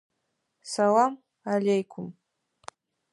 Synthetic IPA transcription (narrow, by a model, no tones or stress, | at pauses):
salam | alejkʷʰʊm